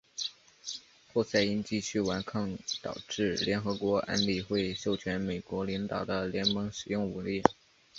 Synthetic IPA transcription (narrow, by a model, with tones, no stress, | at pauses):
xwɔ˥˧sa˥˧ɪi˥nt͡ɕi˥˧t͡ɕʰy˥˩wa˧˥nkʰɑ˥˩ŋt̪ɑ̰˨˩ʊʈ͡ʂɻ̩˥˩ljɛ˧˥nxɤ˧˥kwɔ˧˥ʔa̰˥nli˨˩xwe˥˧ɪʂo˥˩ʊt͡ɕʰɥɛ˧˥nme˨˩ɪkwɔ˧˥li˧˥ŋt̪ɑ˨˩ʊd̪ə˦ljɛ˧˥nmɤ˧˥ŋʂɻ̩˨˩jʊ˥˩ŋu˧˥nli˥˩